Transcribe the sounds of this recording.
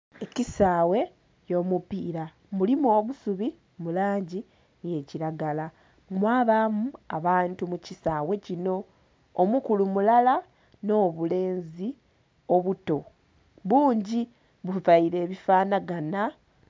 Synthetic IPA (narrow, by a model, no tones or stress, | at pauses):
e̞cisaːwe̞ | jo̞ːmupiːɾa | mulimo̞ːβusuβi | mulaːɲɟi | je̞ciɾaɡala | mwaːβamua̰βaːntumucisaːwe̞cino̞ː | mukulumulala | no̞ːβule̞ːnzi | o̞βuto̞ | βuːɲɟi | βuvaiɾe̞ːβifaːnaɡana